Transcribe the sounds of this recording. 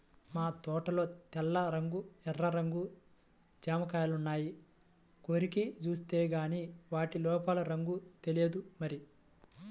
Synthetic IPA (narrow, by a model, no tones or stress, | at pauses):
maːt̪ɔːʈɐlo̞ːt̪ɛlːɐɾɐŋɡuɛrːɐɾɐŋɡu | d͡ʒaːmɐkaːjɐlunːaːji | koːɾikit͡ʃuːst̪eːɡaːniːʋaːʈilɔːpɐlɐɾɐŋɡut̪elied̪umɐɾi